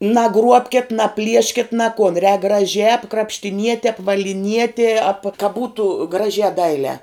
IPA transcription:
nɐˈɡruɔpʲkʲɛt nɐˈpʲlʲiɛʃʲkʲɪt nʲɛ koːn rʲɛːk ɡrɐˈʒʲæː krɐpʲʃʲtʲɪˈnʲiɛtʲɛ ɐpʋɐlʲɪˈnʲiɛtʲiɛ ɐp kɐ ˈbuːtʊ ˈɡrɑːʒʲæː ˈdɐɪlʲæː

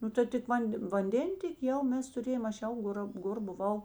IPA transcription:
ˈnʊ tɐɪ tʲɪk ˈʋɐnʲtʲ ʋɐnʲˈdʲeːnʲtʲeːkʲɪ ˈjɛʊ ˈmʲɛs tʊˈrʲeːjoːm ˈɐʃ ˈjɛʊ ˈɡoːrɐ ˈɡoːr bʊˈʋɐʊ

